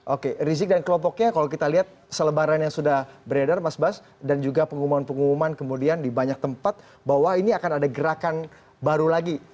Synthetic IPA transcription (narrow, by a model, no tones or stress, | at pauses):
ʔokerizɪk̚dankəlɔmpɔk̚ɲakalokit̪aliɦat̪̚ | sələbaɾanjaŋsudahbəɾadarmasbas | dand͡ʒuɡapəŋumumanpəŋumumankəmudiandibaɲak̚t̪əmpat̪̚ | baɦwainiakanadaɡəɾakan | baɾulaɡi